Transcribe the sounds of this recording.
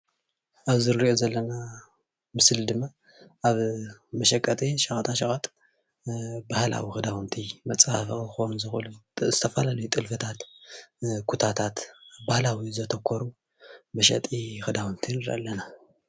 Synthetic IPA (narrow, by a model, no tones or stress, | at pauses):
ʔaβzɨɾiʔozɐlːɐna | mɨsld̪ɨmːa | ʔaβmɐʃɐkʼːɐt̪ʰiʃɐxʼɐt̪ʰaʃɐxʼat̪ʼ | bahla̰wixɨd̪awɨnt̪ʰimɐt͡sʼhafɐxonzɨxɨlzɨt̪ʰɐfɐlalɐjut̪ʼɨlfɨt̪ʰat̪ | kʰut̪ʰat̪ʰat̪bahlawizɐt̪ʰɐkʰːɔɾu | mɐʃɐ̰t̪ʼixɨd̪awɨnt̪ʰinɨɾɐ̰lːɐna